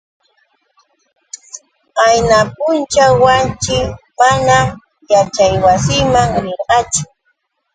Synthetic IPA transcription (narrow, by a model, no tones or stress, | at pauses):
ajnap̚ʊnt͡ʃawant͡ʃɪmana | jat͡ʃajwasɪmaŋɾɪɾɢɑt͡ʃʊ̥